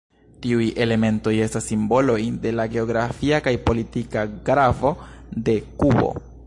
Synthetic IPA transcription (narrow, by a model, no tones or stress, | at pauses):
tiuje̞le̞me̞nto̞je̞stasːimbo̞lo̞jde̞laɡe̞o̞ɡɾafiakajpo̞litikaɡɾavo̞de̞kubo̞̰